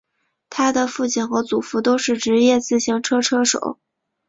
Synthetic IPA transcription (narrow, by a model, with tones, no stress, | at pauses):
t̪ʰa˥d̪ə˨fu˥˧t͡ɕʰi˥˩nxɤ˧˥t͡su˨˩fu˧˥t̪o˥ʊʂɻ̩˥˩ʈ͡ʂɻ̩˧˥jɛ˥˧t͡sɹ̩˥˩ɕi˧˥ŋʈ͡ʂʰɤ˥ʈ͡ʂʰɤ˥ʂo̰˨˩˦ʊ